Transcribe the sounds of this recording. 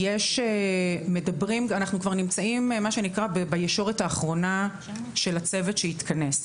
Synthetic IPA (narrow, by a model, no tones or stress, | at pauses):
jeʃeme̞dɐbʁimanaχnukvaʁnimt͡saimmaʃe̞nikʁabebajeʃo̞ʁetaːχʁo̞na | ʃe̞lat͡se̞vetʃeit̪kʰɐne̞s